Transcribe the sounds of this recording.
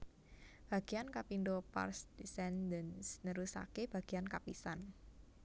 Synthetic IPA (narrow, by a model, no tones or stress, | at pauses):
b̥a̤ɡ̥iankapindopa̰rsd̥isɛndənsnəɾusa̰keb̥a̤ɡ̥iankapisan